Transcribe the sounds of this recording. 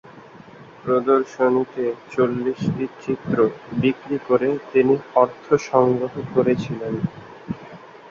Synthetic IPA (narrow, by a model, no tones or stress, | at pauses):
pɾod̪oɾʃonit̪et͡ɕolːiʃʈit͡ɕit̪ːɾobikɾikoɾet̪iniɔɾt̪ʰoʃɔŋɡɾoɦokoɾet͡ɕʰilen